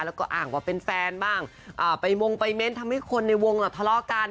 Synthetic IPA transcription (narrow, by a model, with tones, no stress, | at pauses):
lɛː˦˥wkɔː˥˩ʔa̰ː˨˩ŋwaː˧˩pe˧nfɛː˧nbaː˥˩ŋ | ʔaː˨˩pa˧jwo˧ŋpa˧jme˦˥nt̪ʰa˧mha˥˩jkʰo˧nːa˧jwo˧ŋlaː˨˩wt̪ʰlɔː˧˥ʔkaː˧n